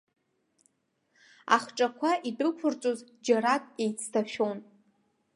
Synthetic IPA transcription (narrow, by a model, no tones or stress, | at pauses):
a̰χʈ͡ʂʼakʷʰaʔidɨkʷʰʊrt͡sʼozd͡ʒaɾakʼe̞jt͡sʰtʰaʃᶣon